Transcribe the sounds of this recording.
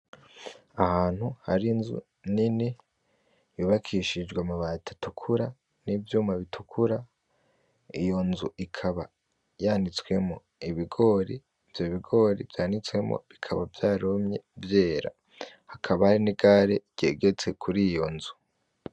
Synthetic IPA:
ahaːn̥huhaɾinzṵ | nini | juːβakʰiʃid͡ʒɡwamaβaːtʰḁtukʰuɾa | nivjuːmaβitʰukʰuɾa | ijo̞nzuʔikʰaβa | jaːnit͡swe̞mo | iβiɡo̞ːɾi | vjoβiɡo̞ːɾḭvjaːnit͡swe̞mo̰βikʰaβavjaːɾomɲe̞vje̞ːɾa̰ | hakʰaβahaɾiniɡaːɾe̞ɟ̥ḛːɡe̞t͡se̞kʰuɾijo̞nzu

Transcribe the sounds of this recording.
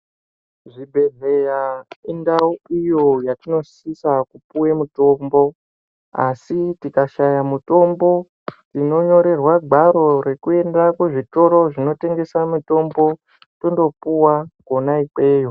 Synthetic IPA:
ʐibʱe̞ɮejaindauijo̞jatino̞sisakupuwemuto̞mbo̞ | a̰sitikaʃajamuto̞mbo̞ | tino̞ɲo̞ɾe̞rwaɡʱaɾo̞ɾe̞kue̞ndakuʐito̞ɾo̞ʐino̞te̞ŋɡe̞samuto̞mbo̞ | tondo̞puwakonaike̞ːjo̞

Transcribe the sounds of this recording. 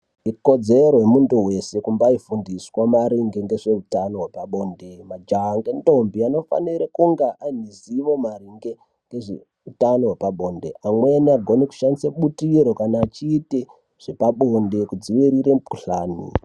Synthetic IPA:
iko̞d͡ze̞ɾojemuntuwe̞se̞kumbaifundiswamaɾiŋɡeŋɡe̞ʐeutano̞ɦwepaɓo̞ndemad͡ʒaŋɡento̞mbiano̞fa̰niɾekuŋɡaʔaniziʋo̞mariŋɡe | ŋɡeʐe | utanowepaɓo̞ːnde̞̰amweniaɡʱo̞niku̥ʃandisaɓutiɾo̞kanaːt͡ʃiːte | ʐ̥epaɓonde̞kud͡ziʋiɾiɾepuɬaːnḭ

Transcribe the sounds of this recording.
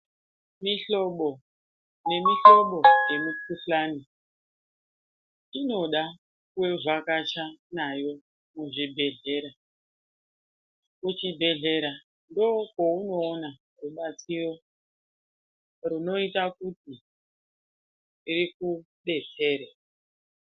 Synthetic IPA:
miɬo̞ɓo̞ | ne̞miɬo̞ɓo̞je̞mukuɬaːni | tino̞ɗa | kuwe̞vwakat͡ʃanajo̞ | muʐibʱe̞ɮe̞ːɾa | kut͡ʃibʱe̞ɮe̞ɾa | ndokouno̞ːna | ruɓat͡siro̞ | runo̞itakuti | ɾiku | ɗe̞t͡se̞ːɾe

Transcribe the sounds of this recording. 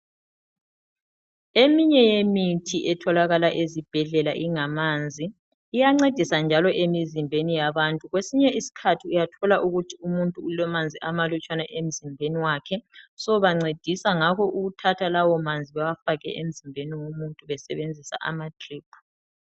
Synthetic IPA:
emiɲɛjemitʰiʔɛtʰɔlaɣalaʔezib̥ʱɛɮɛlaʔiŋamand͡zʱiː | jaŋ͡ǀed̥ʱisand͡ʒʱalɔʔemizimbʱenijaβantʼuɣwesiɲɛisi̥kʰatʰiujatʰɔlaʔuɣutʰiumuntʼuːlɛmand͡zʱiʔamalut͡ʃʼwanaʔem̩zimbʱeniwakʰɛsɔβaŋ͡ǀed̥ʱisaŋakɔʔuɣutʰatʰalawɔmand͡zʱiβawafaɣɛ̰ʔem̩zimbʱeniwomuntʼuβɛsɛβend͡zʱisa̰ʔa̰matʰʼriːp̚ʰu̥

